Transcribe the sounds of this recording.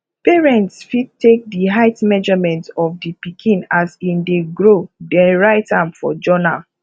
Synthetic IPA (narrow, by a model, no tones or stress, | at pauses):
peɹɛ̃ntsfid̚tek̚diɦaɪtmɛd͡ʒɔmɛ̃ntɔfdipikʰĩnasĩndeɡɹodɛ̃ɹaɪtãmfɔ̰d͡ʒɔna̰l